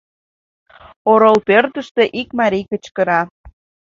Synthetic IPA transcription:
oɾolpørt̪əʃt̪eʔikmɑɾijkət͡ɕkə̆ɾɑ

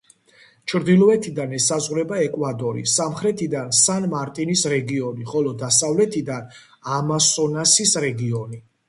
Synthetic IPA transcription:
t͡ʃʰɾd̪ilˠɔɛt̪ʰid̪anɛsazʁwɾɛbaɛkʼwad̪ʼɔɾḭsamχɾɛt̪ʰid̪ansanmaɾt̪ʼinisɾɛɡiɔniχɔlɔd̪asavlɛt̪ʰid̪an | amasɔnasisɾɛɡiɔni

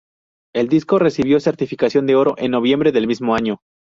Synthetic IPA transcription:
e̞ld̪isko̞re̞siβjo̞se̞ɾt̪ifikasjo̞nd̪eo̞ɾo̞ʔe̞nːo̞β̞je̞mbɾe̞ðe̞lmizmo̞aɲo̞

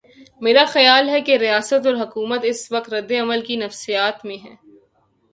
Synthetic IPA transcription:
meːɾaxɐjaːlɦɛkeɾijaːsət̪ɔːɾɦɐkuːmət̪ɪsʋɐkt̪ɾɐd̪ːeɐməlkinɐfsijaːt̪mẽɦɛ̃ː

